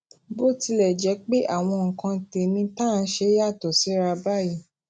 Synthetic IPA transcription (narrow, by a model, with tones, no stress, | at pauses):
bo˦˨ti˧lɛ˨d͡ʒɛ˨˦k͡pe˦ʔa˦˨w̃ɔ̃˧ŋ̩˨kã˧te˨nĩ˧˦tã˦˨˦ʃe˧˦ja˦˨tɔ˨si˨˦ɾa˧ba˦˨ji˨˦˨